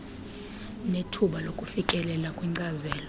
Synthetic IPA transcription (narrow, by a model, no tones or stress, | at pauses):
netʰuɓalokʼufikʼɛlɛlakʼwiŋ͡ǀazɛːlɔ